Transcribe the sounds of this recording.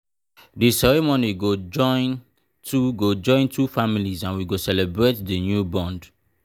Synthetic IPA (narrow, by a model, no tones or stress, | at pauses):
disɛɹemõniɡod͡ʒɔ̃ɪ̃n | tʰuɡod͡ʒɔ̃ɪ̃ntʰufamilizãnwiɡosɛlebɹetdinjubɔ̃nd